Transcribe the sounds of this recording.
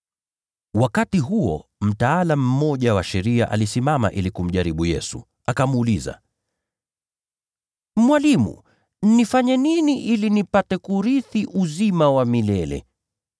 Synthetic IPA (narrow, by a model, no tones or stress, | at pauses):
wakatiɦuɔ̰m̩taalam̩ːɔʄawaʃɛɾiaʔa̰lisimama̰ʔilikum̩ʄaɾiɓujɛ̰su | akamːliza̰ | mwalimṵ | nifaɲɛniniʔilinipatɛkuɾiθiʔuzimawamilɛlɛ̰